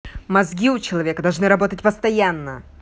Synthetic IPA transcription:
mɐzɡʲiʊt͡ɕɪlˠɐvʲe̞kəd̪ɐlˠʐnɨɾɐbo̞t̪ətʲpəst̪ɐjanːə

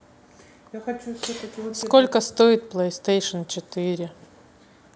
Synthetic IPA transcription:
jaɐt͡ʃuskolʲkəst̪oɪt̪plˠest̪ejʂɨnt͡ɕɪt̪ɨɾʲɪ

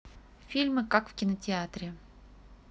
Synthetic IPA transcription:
fʲilʲmɨkakfkʲɪnətʲɪat̪ɾʲɪ

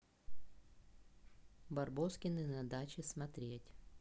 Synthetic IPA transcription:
bɐrboskʲɪnɨnɐd̪at͡ɕɪsmɐt̪ɾʲetʲ

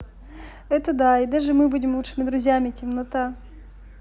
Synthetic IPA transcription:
ɛt̪əd̪aid̪aʐɨmɨbudʲɪmlˠut͡ʂʂɨmʲɪd̪ɾʊzʲjamʲɪtʲɪmnɐt̪a

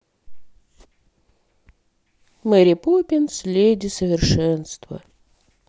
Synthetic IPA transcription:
mɛɾʲɪpupʲɪnsʲlʲedʲɪsəvʲɪrʂɛnst̪və̰

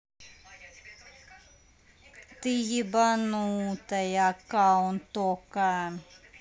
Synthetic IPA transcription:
t̪ijibanut̪ajakawnt̪okan

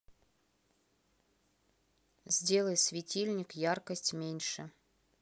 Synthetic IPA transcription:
zʲdʲe̞lˠəjsʲvʲɪtʲilʲnʲɪkjarkəsʲtʲmʲenʲʂɨ

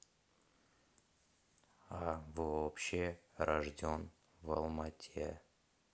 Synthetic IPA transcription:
avoopɕɪrɐʐdʲon | vɐ̰lˠmatʲʰḛ

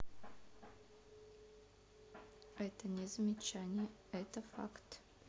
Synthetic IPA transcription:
ɛt̪ənʲezəmʲɪt͡ʃanʲɪjə | ɛt̪əfa̰kt̪

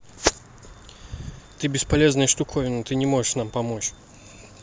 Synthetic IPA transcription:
t̪ɨbʲɪspalʲɛznɐjʂt̪ukʰɔjʊnɔt̪ɨnʲɛmɔʐɛʂnampamɔt͡ɕ

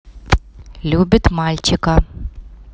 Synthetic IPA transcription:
lʲubʲɪt̪malʲt͡ɕɪka

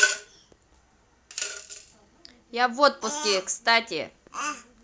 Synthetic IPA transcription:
javot̪̚pʊskʲɪkst̪atʲɪ̰

